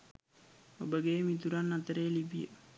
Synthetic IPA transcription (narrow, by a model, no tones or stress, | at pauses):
obəɡeːmit̪uɾanːat̪əɾeːlibijə̰